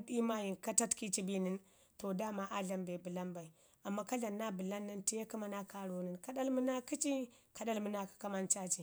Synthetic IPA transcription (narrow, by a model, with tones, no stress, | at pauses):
di˦ma˦ji˨nka˦ta˦tki˦t͡ʃi˦bi˦ni˦n | to˨da˦ma˦ʔa˦ɮa˨mbe˨bi˨la˦mba˨i˨ | a˨mːa˦ka˦ɮa˨nːa˦bi˨la˦nːi˦nti˦je˦ki˦ma˦na˦ka˦ɾu˨˦ni˨nka˦ɗa˦lmə˦na˦ki˦t͡ʃi˦ka˨ɗa˦lmə˦na˦kḁ˦ka˦ma˦nt͡ʃa˦t͡ʃi˨